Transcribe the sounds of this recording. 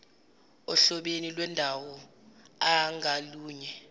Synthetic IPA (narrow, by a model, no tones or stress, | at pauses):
ɔɬɔɓenilwɛndʱawɔ | aŋʱaluːɲɛ